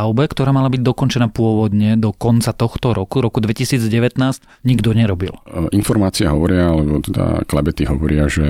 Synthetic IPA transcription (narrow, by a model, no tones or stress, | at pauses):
aʊbɛkt̪ɔɾaːmalabiɟ̚d̪ɔkɔnt͡ʃɛnaːpʊɔʋɔd̪ɲɛd̪ɔkɔnt͡sat̪ɔxt̪ɔɾɔkuɾɔkud̪ʋɛcisiːd͡zɟɛʋɛt̪naːsc | ɲiɡd̪ɔɲɛɾɔbḭlʔinfɔɾmaːt͡siɛɦɔʋɔɾɪaalɛbɔt̪ɛd̪a̰klabɛt̪iɦɔʋɔɾɪaʒɛ